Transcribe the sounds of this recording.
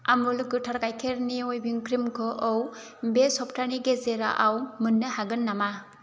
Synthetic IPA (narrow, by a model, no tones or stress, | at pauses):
amuluɡɯtʰaɾkajkʰeɾniojbiŋkʰɾimkʰɔʔɔw | besɔp̚tʰaniɡezeɾa̰ʔawmɯnːɯhaɡɯnːama